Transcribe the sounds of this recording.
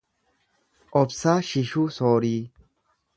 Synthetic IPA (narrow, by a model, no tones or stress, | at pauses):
ʔɔpsaʃɪʃusoːɾiː